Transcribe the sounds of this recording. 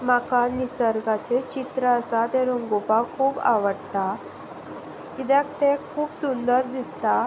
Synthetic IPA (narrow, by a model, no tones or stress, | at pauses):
makanːisəɾɡat͡ɕet͡ɕit̪ɾəəsat̪ɛɾoŋɡopakʰuːba̰ʋəɽt̪a | kid̪akt̪ekʰuːpsund̪əɾd̪ist̪a